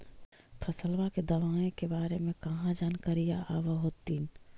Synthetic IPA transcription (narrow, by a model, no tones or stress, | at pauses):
pʰəsəlʋaked̪ɐʋaːẽkebaːɾemẽkɐɦãd͡ʒaːnkaɾijaʔaːʋaɦoːt̪iːn